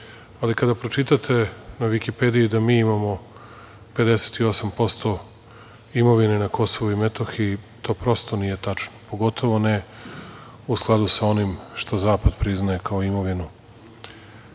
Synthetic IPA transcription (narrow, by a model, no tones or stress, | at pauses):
alikad̪apɾo̞t͡ʃit̪at̪ʰe̞naʋikipe̞d̪ijid̪amiːimamo̞ | pe̞d̪e̞set̪io̞sampo̞st̪o̞ | imo̞ʋinenako̞so̞ʋoimet̪o̞xit̪o̞ːpɾo̞st̪o̞nije̞t̪at͡ʃnopo̞ɡo̞t̪ʰo̞ʋo̞ne̞ | usklˠad̪usao̞nimʃt̪o̞zaːpad̪pɾiznaekaoimo̞ʋinu